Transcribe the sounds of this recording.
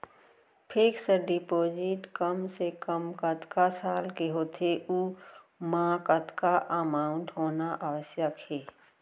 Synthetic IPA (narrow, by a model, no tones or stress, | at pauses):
pʰeksəɖipoːd͡ʒɪʈkəmsekəmkət̪kasaːlkeɦoːt̪ʰeʔuːmãːkət̪kaʔəmaːʊ̃ɳʈɦoːnaʔaːʋəsjəkheː